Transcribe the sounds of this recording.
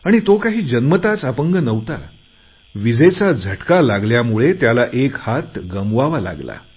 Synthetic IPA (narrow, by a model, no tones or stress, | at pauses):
aɽ̃it̪okaɦiːd͡ʑənmət̪at͡səpəŋɡənəʋt̪a | ʋid͡zʱet͡sad͡zʱəʈkalaɡljamuɭet̪jalaʔekhat̪ɡəmʋaʋala̰ɡla̰